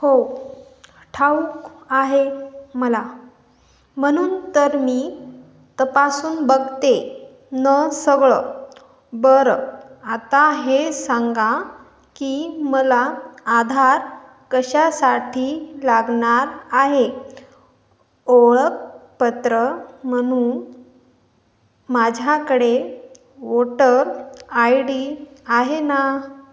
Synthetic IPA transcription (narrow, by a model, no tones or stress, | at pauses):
ho | ʈʰaukaɦeməla | m̤əɽ̃uːnt̪əɾmiː | t̪əpasuːnbəɡt̪e | nəsəɡɭə | bəɾat̪aɦesaŋɡa | kiməlaːd̪ʱaɾ | kəɕasaʈʰiːlaɡɳaɾaɦe | oɭək̚pət̪ɾəməɽ̃uːn | mad͡ʑʱakəɽe | ʋoʈəɾajɽiːaɦena